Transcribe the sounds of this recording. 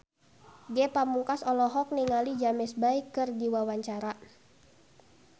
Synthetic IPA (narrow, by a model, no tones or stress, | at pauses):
ɡɛpamuŋkasɔlɔɦɔk̚niŋalid͡ʒamɛsbaikːɨrdiwawaɲt͡ʃaɾa